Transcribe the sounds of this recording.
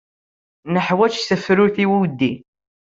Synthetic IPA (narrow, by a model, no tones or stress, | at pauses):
nəħwæt͡ʃsəfːɾʊɾθiwiwd̪ːi